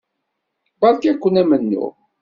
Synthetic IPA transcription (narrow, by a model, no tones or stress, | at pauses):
bɑlkækʷːənæmənːʊ̰